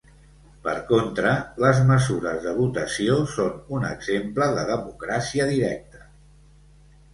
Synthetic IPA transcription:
pə̰ɾkont̪ɾələzməzuɾəzðəβut̪əsiosonunə̰ɡz̥empləðəðəmukɾasiəðiɾɛk̚t̪ə̥

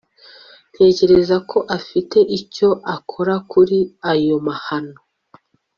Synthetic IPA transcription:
te̞ːce̞ɾe̞zakʰo̞ʔafite̞ʔico̞ʔakʰo̞ɾakuɾiajo̞mahano

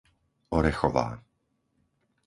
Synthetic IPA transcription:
ɔɾɛxɔva̰ː

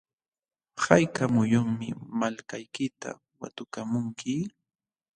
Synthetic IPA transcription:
hajkamʊjoŋmɪmalkajkɪt̪a̰ | wa̰t̪ʊkamʊŋkʰɪ

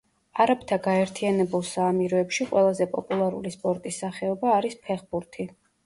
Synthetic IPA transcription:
aɾapʰt̪ʰaɡaɛɾt̪ʰianɛbulˠsaːmiɾɔɛpʃiqʼwɛlˠazɛpʼɔpʼulˠaɾṵlispʼɔɾt̪ʼisːaχɛɔbaːɾispʰɛχbuɾt̪ʰi

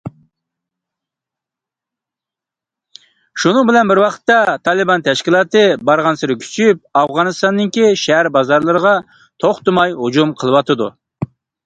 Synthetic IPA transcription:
ʃunɨŋbɪlɛnbɪɾwɑqʰə̥t̪ːɑt̪ʰɑlˠɨbɑnt̪ʰɛʃkʲilˠɑːt̪ɨbɑɾʁɑnsɨɾɪkʲʰy̥t͡ʃʰyp̚ɑfʁɑnɨst̪ɑnːɨŋkʲiʃɛɦæɾbɑzɑɾlˠɨɾəʁɑ | t̪ʰoχt̪ɨmɑjɦud͡ʒumqʰəlˠɨwɑt̪ʰɨd̪ṵ

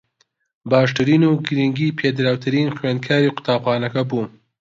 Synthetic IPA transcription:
bɑːʂʈaɾinuɡɾiŋɡipʰed̪ɾawt̪ʰaɾinxwand̪̚kʰjɑːɾiqʊ̥t̪ɑːbxɑːnakabu

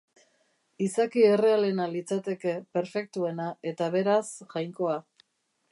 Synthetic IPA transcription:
isakie̞re̞ale̞nalit͡sat̪e̞ke̞pe̞ɾfe̞k̚t̪ue̞nae̞t̪aβe̞ɾasʝajŋko̞a

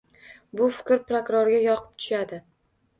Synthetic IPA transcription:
bʊfɪkʲɾpɾokɾoɾɡʲajɒqʰɨ̥p̚t̪ʰʊ̥ʃad̪ɪ

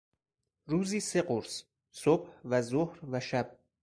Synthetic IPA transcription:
ruːziːse̞ɢoɾs | sob̥hvæzohɾvæʃæb̥̚

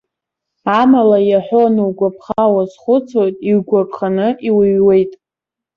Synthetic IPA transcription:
amalajaħʷᶣonɨwɡʷapʰχawasχʷʊt͡sʰojtʼiɥɡʷakʼχanɨʔiwɨɥwe̞jtʼ

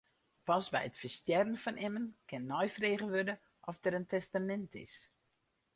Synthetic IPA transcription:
pɑsbɛjətfəstjɛdənfɔnʔɪmənkɪnːɔjfreːɣəʋødə | ʔɔfdəɾəntʰɛstamɛntʰɪ̰s

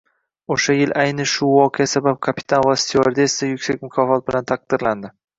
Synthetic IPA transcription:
oʃajɪlʔajnɪʃʊvɒqʰeasabap̚kʰapʰɪ̥t̪ʰanvast̪ʰioɾd̪est̪ɪjʊkʲsakʲmʊkʰɒfɒt̪̚bɪlant̪ʰaq̚d̪̥ɪɾland̪ɪ

